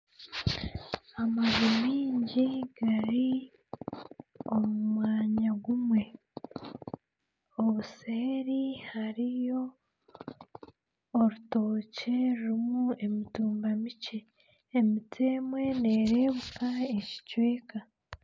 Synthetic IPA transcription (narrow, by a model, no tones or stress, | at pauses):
amazumiːɲɟiɡ̥aɾi | o̞mumwaːɲaɡumwe̞ | βuseːɾihaɾijo̞ | oɾuto̞ːce̞ɾuɾimue̞mituːmbamice̞ː | mitʰeːmwe̞ne̞ːɾe̞ːβukae̞ci̥cwe̞ːka